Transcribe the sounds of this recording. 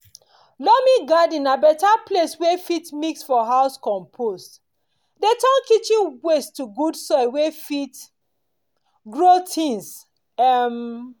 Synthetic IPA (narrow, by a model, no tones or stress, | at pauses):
lɔmĩɡadĩnabɛtapleswefitmiksfɔɦaʊskɔ̃mpʰost | detɔ̃nkit͡ʃĩnwestuɡudsɔwefit | ɡɹotʰĩns | ɛm